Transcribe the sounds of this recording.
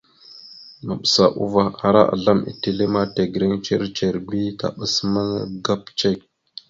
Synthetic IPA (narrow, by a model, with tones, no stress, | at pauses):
ma˨ɓsa˨ʔu˦va˨a˨ɾa̰˦ʔa̰˨ɮa˦mḭ˨te˦˨le˦ma˦te˨ɡɾe˦ŋt͡ʃe˦ɾt͡ʃe˨ɾbi˦ka̰˨ɓə˨sma˦ŋ˦ɡa˦pt͡ʃe˦k̚